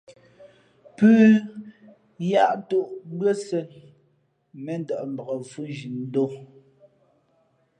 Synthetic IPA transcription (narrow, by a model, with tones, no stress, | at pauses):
pʉː˦ | ja˦ʔto˦˨ʔbɰə˦sɛ˨n | mɛ˨n˦dɔ˨ʔm̩˨bə˨ɣə˨fu˦ʒi˨n˦do˦